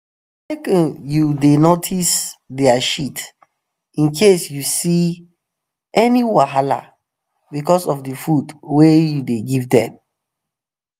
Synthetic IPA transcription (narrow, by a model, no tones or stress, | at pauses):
ekə̃njudenotʰisdɛaʃit | ĩnkʰesjusi | ɛniwaɦala̰ | bikɔsɔfdəfudwejudeɡivdɛ̰̃m